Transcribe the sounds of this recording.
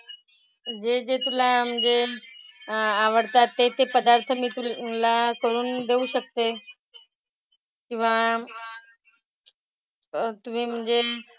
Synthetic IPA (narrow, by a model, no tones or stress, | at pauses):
d͡ʑed͡ʑet̪ulam̤əɳd͡ʑe | aʋəɽt̪at̪ːet̪ʰepəd̪aɾt̪ʰəmiːt̪ulakəɾuːnd̪euɕək̚t̪e | kĩw̃ʋa | t̪um̤iːm̤əɳd͡ʑe